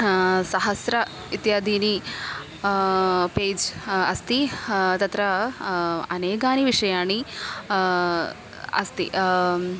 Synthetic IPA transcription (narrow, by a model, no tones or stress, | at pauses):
sɐɦɐsɾɐ | it̪jaːd̪ʱiːni | peːd͡ʒɐst̪it̪ɐt̪ɾɐ | ɐneːɡaːniʋiʂɐjaːɳi | ɐ̰st̪ḭ